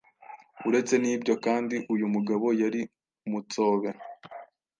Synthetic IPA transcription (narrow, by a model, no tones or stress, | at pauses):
uɾe̞t͡se̞niːbɟo̞kaːndiʔujumuɡaβo̞jaɾi | mut͡so̞ːβe